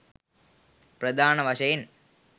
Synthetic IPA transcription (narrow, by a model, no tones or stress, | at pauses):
prɐd̪ʱaːnɐʋɐʂɐjɐn